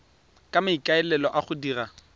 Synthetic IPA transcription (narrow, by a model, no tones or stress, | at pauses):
kʼamaikʼaɛlɛlɔʔaχʊdiːra